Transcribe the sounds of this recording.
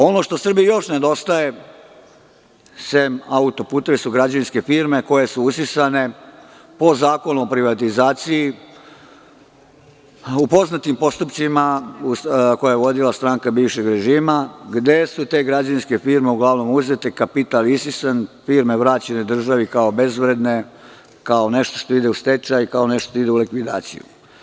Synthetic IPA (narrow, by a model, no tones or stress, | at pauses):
o̞no̞ʃt̪o̞sr̩bijijo̞ʃne̞d̪o̞st̪aje̞ | semaut̪o̞puːt̪e̞ʋesuɡɾad͡ʑaninske̞fiːɾme̞ko̞je̞suusisane̞ | po̞zaːko̞nuopɾiʋat̪izaːt̪siji | upo̞znat̪impo̞st̪upsimausko̞jajeʋod̪ilast̪ɾaːŋkabiːʋʃe̞ɡɾe̞ʒiːmaɡd̪e̞sut̪e̞ːɡɾad͡ʑanske̞fiːɾme̞uɡlaʋno̞muzet̪e̞kapit̪alisisanfiːɾme̞ʋɾaːt͡ɕened̪r̩ʒaʋikao̞be̞zʋɾe̞d̪ne̞ | kao̞ne̞ʃt̪oʃt̪o̞id̪e̞ust̪e̞t͡ʃajikao̞ne̞ʃt̪o̥t̪oid̪e̞ulikʋid̪a̰ːt̪sḭjṵ